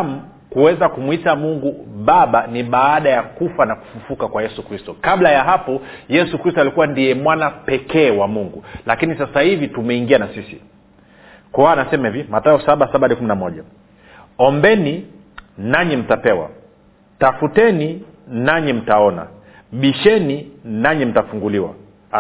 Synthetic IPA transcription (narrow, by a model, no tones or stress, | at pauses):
m̩ | kuwɛzakumwitamuŋɡuɓaɓaniɓaaɗajakufanaku̥fufukakwajɛsukɾistɔkaɓlajaɦapɔjɛsukɾistalikuwandijɛmwanapɛkɛːwamuŋɡulakinisasahivitumɛiŋɡianasisḭ | kɔanasɛmɛvimataɔsaɓasaɓaɗikuminamɔʄa | ɔmbɛni | naɲim̩tapɛwa̰ | tafutɛni | naɲim̩taɔna̰ | ɓiʃɛninaɲim̩tafuŋɡuliwa̰